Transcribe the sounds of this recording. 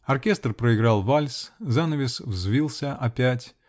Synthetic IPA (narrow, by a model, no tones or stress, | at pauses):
ɐrkʲest̪rpɾəɪɡɾɑlˠvalʲszanəvʲɪsvzvʲilˠsʲəʔɐpʲætʲ